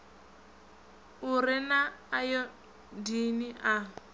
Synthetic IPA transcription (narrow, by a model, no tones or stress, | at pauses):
ʊrɪnaːjɔ | diniʔa